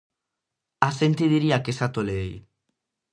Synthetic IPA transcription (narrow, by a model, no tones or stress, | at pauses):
asent̪iðiɾiakesat̪oleej